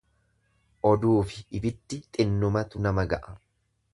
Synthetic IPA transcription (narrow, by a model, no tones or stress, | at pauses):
ʔɔd̪uːfɪːbɪd̪ːɪt̪ʼɪnːʊmɐt̪ʊnɐmɐɡɐʔɐ̥